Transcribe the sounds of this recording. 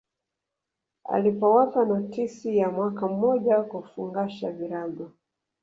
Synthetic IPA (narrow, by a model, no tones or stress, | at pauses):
a̰lipɔwapanɔtisijamwakam̩mːɔʄakufuŋɡaʃaviɾaɡɔ